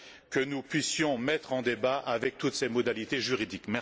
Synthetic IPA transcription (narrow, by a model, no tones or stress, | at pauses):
kənupɥisjɔ̃mɛt̪χɑ̃d̪ebaʔavɛk̚t̪ut̪semɔd̪alit̪eʒyʁid̪ikmɛ